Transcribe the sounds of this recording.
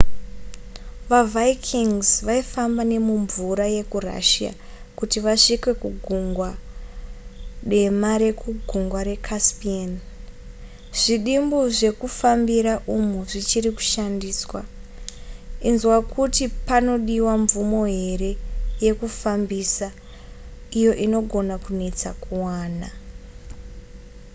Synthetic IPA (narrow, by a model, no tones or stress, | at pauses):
ʋavajkʰiŋzʋaifambane̞muɱvuɾaje̞kura̰ʃia̰ | kutiʋaʂikwe̞kuɡʱuŋɡwa | ɗe̞maɾe̞kuɡʱuŋɡwaɾe̞kʰaspian | ʐ̥iɗimboʐe̞kufambiɾaʔumuʐit͡ʃiɾiku̥ʃandiːswa | inzwakʰutipano̞ɗiwaɱvumo̞ɦe̞ɾe̞je̞kufambisa | ijo̞ʔino̞ɡʱo̞nakune̞t͡sakuwaːna